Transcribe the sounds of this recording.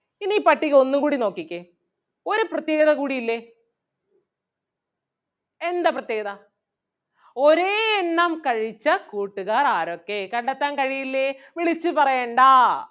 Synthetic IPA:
iniːpɐʈːikʲːo̞nːumkuːɽino̞ːkːikʲːe | o̞ɾuprɐt̪je̞ːɡɐðɐkuːɽijilːe | end̪aprɐt̪jeːɡɐðɐ | o̞ɾeːenːɐmkɐɻit͡ɕːɐkuːʈːuɣaːraːɾo̞kːe̞kɐɳɖɐt̪ːaːnkɐɻijilːeʋiɭit͡ɕːɨpɐrɐjeːɳɖaː

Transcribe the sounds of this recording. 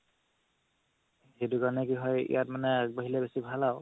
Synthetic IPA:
ɦedukaɹɔnɛkiɦɔjḭjat̚manɛboɦilɛbesibʱalaʊ

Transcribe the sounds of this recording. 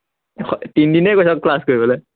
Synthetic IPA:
xtindinɛkojsɔkːlaskoɹibɔlɔ

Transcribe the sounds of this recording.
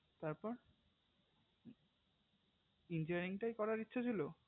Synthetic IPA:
t̪aɾpɔɾ | ind͡ʑoaɾiŋʈajkɔɾaɾitːɕʰat͡ɕʰilo

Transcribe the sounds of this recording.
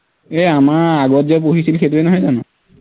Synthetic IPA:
eamaɹaɡɔtzɛp̬oɦisilxetuenɔɦɔjzanɔ

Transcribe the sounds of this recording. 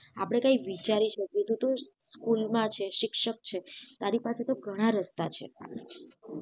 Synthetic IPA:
apɽ̃ekaiʋit͡ʃaɾiʃəkjet̪ũt̪oskulmãt͡ʃʰeʃɪkʃək̚t͡ʃʰet̪aɾipaset̪oɡʱəɽ̃aɾəst̪at͡ʃʰḛ

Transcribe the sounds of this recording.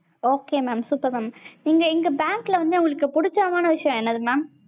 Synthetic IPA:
oːkːeːmaːmsuːpːɐɾmaːmniːŋɡɐɪŋɡɐbaːŋklɐʋɐɲd͡ʒɐʊŋɡɐɭɯkːɯpʊɽɪt͡ʃːaːmaːnɐʋɪʂɐjɐ̃ɛnːɐðɯmaːm

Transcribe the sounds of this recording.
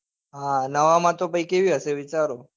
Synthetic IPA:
ɦãnəʋamãt̪opəikeʋiɦəʃeʋit͡ʃaɾo

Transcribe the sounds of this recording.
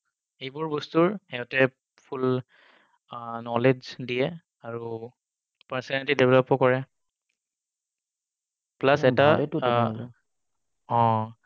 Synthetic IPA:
ejbʊɹbɔstuɹhɛɦɔtɛ | pʰul | nɔled͡ʒdijɛ | aɹu | pɛɹsɔnetidebʱɛlɔpːɔkɔɹɛ | plasɛta | ɔ̃

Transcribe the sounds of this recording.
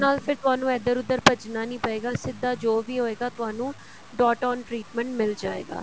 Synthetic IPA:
naːlpʰɪɾt̪ʊɦaːnũːɛːd̪əɾʊd̪əɾpəd͡ʒnaːnĩːpəeːɡaːsɪd̪ːaːd͡ʒoːʋiːɦoːeːɡaːt̪ʊɦaːnũː | ɖɔːʈɔ̃ːnʈɾiːʈmɛ̃ɳʈmɪld͡ʒaːḛːɡa̰ː

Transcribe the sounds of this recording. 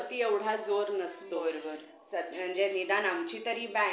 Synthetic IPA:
t̪ieʋɽ̤ad͡zoɾnəst̪oɾɡəɾ | səm̤əɳd͡zenid̪anamt͡ɕit̪əɾĩbɛ̃

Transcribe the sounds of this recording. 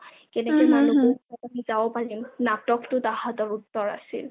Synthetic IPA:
kɛnɛkɛjmanukɔɔtamizabɔpalimnatɔktʊdaɦatɔɹutːɔɹa̰sḭl

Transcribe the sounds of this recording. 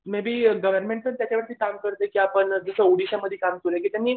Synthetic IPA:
mabʱiːɡəʋəɾmeɳʈ̚pəɾt̪jat͡ɕaʋəɾt̪iːkamkəɾt̪ekiapəɳd͡zəsəoɽiɕaməd̪ʱːjekamkelek̬iːt̪jamːiː

